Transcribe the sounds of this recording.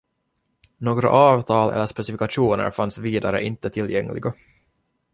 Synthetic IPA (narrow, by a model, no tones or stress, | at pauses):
noːɡɾa̰ʔɑːvt̪ʰɑːlɛ̰lːəʂpɛsɪfɪkaʂuːnə̰ɾfansviːd̪aɾə̰ʔɪnt̪ət̪ʰɪljɛŋːlɪ̰ɡa